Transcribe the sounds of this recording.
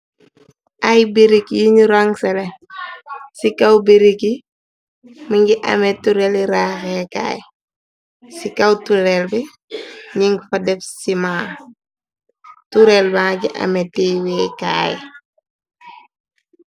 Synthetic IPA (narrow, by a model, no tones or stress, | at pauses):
ʔajbeɾikjiɲuɾaŋsɛle | sikawbeɾiki | miŋɡiʔa̰metuɾeliɾaːxeka̰ːj | sikawtuɾelbɛ | ɲiŋɡfadɛfsimaː | tuɾelbãːɡiʔa̰metiweːka̰ːj